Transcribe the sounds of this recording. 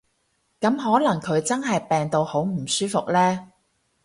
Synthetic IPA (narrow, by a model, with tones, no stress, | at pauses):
kɐ˨˥mɦɔː˨˥lɐ˨˩ŋkʰɵ˨˧ɥt͡sɐ˥nɦɐ˨jpɛː˨ŋt̪o˨˧who˨˥wm̩˨˩syː˥fʊ˨k̚lɛː˥